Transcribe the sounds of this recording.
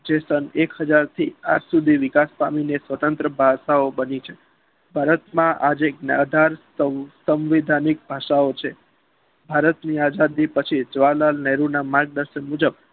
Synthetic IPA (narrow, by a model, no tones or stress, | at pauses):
d͡ʒesənekɦəd͡ʒaɾt̪ʰia̰d͡ʒsud̪ʱiʋɪkaspa̰minesʋət̪ənt̪ɾəbʱaʃaobənit͡ʃʰe | bʱaɾət̪mãʔad͡ʒeɡna̰d̪ʱaɾ | əsəmʋid̪ʱanik̚bʱaʃaot͡ʃʰe | bʱaɾət̪niad͡ʒad̪ipət͡ʃʰid͡ʒʋalalnɛɾunamaɾɡ̚d̪əɾʃənmud͡ʒəb